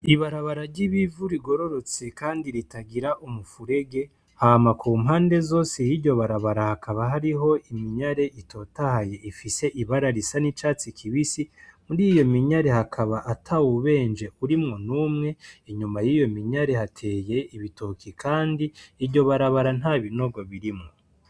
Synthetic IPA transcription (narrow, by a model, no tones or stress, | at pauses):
iβaɾaβaɾaɾɟiβivuɾiɡo̞ɾo̞ɾo̞t͡sekaːndiɾitaɡiɾaʔumufuɾe̞ɡe̞ | hamakuːmɦaːnde̞zo̞ːsejiɾɟo̞βaɾaβaɾahakʰaβaɦaɾiɦo̞ʔimiɲaɾe̞ʔito̞tahaje̞ifise̞ʔiβaɾaɾisanit͡ʃaːt͡sikʰiβisimuɾiːjo̞miɲaɾe̞hakʰaβaʔatʰauβe̞ːnd͡ʒe̞uɾimŋo̞numŋe̞eɲumajiːjo̞miɲaɾe̞hatʰe̞je̞iβitokikʰaːndiːɾɟo̞βaɾaβaɾan̥haːβino̞ɡo̞βiɾimŋo